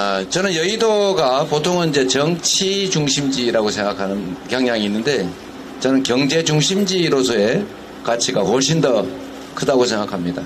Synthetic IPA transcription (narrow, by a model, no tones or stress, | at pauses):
t͡ɕʌnɯnjʌidoɡapotʰoŋʌnid͡ʑe̞t͡ɕʌŋt͡ɕʰid͡ʑuŋɕʰimd͡ʑiɾaɡosʰe̞ŋɡakʰanɯnkjʌŋɲaŋiːnːɯnde̞ | t͡ɕʌnɯnkjʌŋd͡ʑe̞d͡ʑuŋɕʰimd͡ʑiɾosʰʌe̞ | kat͡ɕʰiɡawʌɭɕ̬͈ʰindʌ | kʰɯdaɡosʰe̞ŋɡakʰamɲida